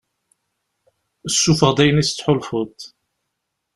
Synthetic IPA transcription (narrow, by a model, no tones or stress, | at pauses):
əsːufəʁd̪æjənisə̥t͡sːħʊlfʊt̪ˤ